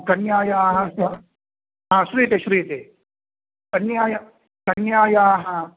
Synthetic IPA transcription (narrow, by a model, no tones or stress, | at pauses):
kɐnjaːjaːɦɐsɐ | ɦãːʃuɾujet̪eːʃuɾujet̪eː | kɐnjaːjɐ | kɐnjaːjaːɦɐ